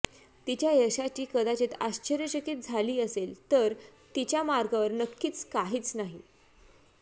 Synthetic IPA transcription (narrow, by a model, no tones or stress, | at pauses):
t̪it͡ɕjajəɕat͡ɕiːkəd̪at͡ɕet̪aɕt͡ɕəɾjəɕəkiːt̪̚d͡zʱaliːəselt̪əɾt̪it͡ɕjamaɾɡaʋəɾnəkːiːt͡skaɦiːt͡snaɦi